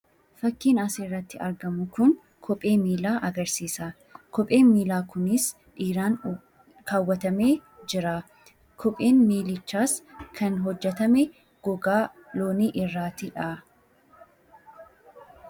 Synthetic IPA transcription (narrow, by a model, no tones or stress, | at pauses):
fɐkːiːnɐsiːrːɐt̪ːɪɐɾɡɐmʊkʊn | kʰɔpʼe̞ːmiːlaːʔɐɡɐɾsiːsaː | kɔpʼe̞ːnmiːlaːkʊnɪs | ʔiːɾaːn | kʰaːwːɐt̪ɐme̞ː | d͡ʒɪɾaː | kʰɔpʼe̞ːnmiːlɪt͡ʃːaːskʰɐnɦɔd͡ʒːɛt̪ɐmɛ | ɡ̥ɔɡaː | loːniːʔɪrːaːt̪ɪᶑaː